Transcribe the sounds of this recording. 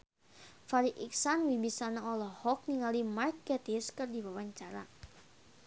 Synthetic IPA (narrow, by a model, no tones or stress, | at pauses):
faɾiʔiksanwibisanaɔlɔhɔk̚niŋalimarkɛt̪ɪskɨrdiwawaɲt͡ʃaɾa